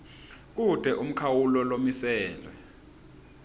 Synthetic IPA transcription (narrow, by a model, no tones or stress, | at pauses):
k̬ud̥ʱɛʔum̩kʰawulɔlomisɛːlwɛ̰